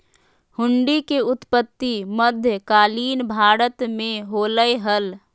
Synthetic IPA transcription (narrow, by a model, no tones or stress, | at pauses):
hʊɳɖikeʊt̪pət̪ːiməd̪ʱjəkaːliːnbʱaːɾət̪mẽɦoːləjɦəl